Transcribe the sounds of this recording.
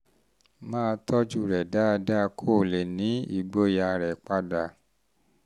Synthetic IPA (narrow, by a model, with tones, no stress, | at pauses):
mãː˦˧tʰɔ˦d͡ʒu˦˨ɾɛ˨da˦˧da˦˧kʰo˦˨le˨nĩ˨˦ḭ˨ɡ͡bo˧ja˧ɾɛ˨k͡pa˧da˨